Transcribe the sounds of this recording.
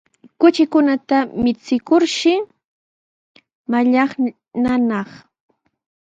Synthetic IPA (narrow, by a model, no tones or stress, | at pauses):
kʊt͡ʃɪkʊnat̪amɪt͡sɪkʊɾʃɪ | maʎɑχ | nanɑχ